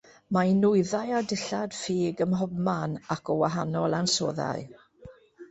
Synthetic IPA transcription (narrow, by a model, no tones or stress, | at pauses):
mainʊɨðajadɪɬad̥fiːɡəmɦɔbmanakʰɔwaɦanɔlˠanso̰ːða̰ɨ